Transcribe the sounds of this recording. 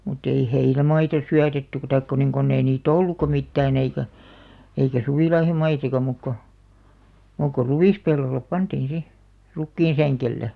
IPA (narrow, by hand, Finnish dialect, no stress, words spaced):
mutː ei heinæmɑitɑ syætetːy tɑik ko niŋ konː ei niːt olːukːɑ mitːæːn eikæ eikæ suʋiˑlɑihomɑisɑkɑ muˑk ko muˑk ko ruʋiˑspelːolːep pɑntiːn si rukːiːnsæŋkelːe